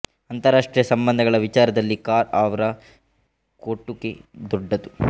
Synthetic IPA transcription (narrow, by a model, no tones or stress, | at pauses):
ɐnt̪ɐɾaːʂʈɾijɐsɐmbɐnd̪ʱɐɡɐɭɐʋit͡ʃaːɾɐd̪ɐlːikaːɾaːʋɐɾɐ | koʈːuked̪ɔɖːɐt̪u